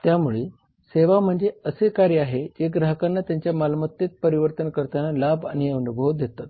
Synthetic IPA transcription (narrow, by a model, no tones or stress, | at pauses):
t̪jamuɭe | seʋam̤əɳd͡zeəsekaɾjəaɦed͡ʑeɡɾəɦəkanːat̪jaɲt͡ɕjamalmət̪ːjet̪̚pəɾiʋəɾt̪ənkəɾt̪analaba̰ñiunubʱod̪et̪at̪